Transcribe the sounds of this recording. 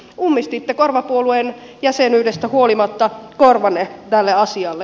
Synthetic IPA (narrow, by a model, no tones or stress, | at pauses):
umːist̪it̪ːekorʋɑpuoluen | jæsenyːdest̪æhuolimɑt̪ːɑkorʋɑnːet̪ælːeɑsiɑlːe